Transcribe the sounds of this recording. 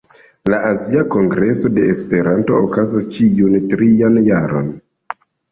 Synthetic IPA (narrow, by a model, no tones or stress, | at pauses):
laʔaziako̞ŋɡɾe̞so̞de̞ːspe̞ɾanto̞ːkazast͡ʃiuntɾianjaɾo̞̰n